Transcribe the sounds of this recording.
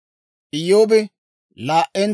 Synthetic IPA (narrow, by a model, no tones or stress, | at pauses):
ʔɪjːoːbɛ | laːʔːɛn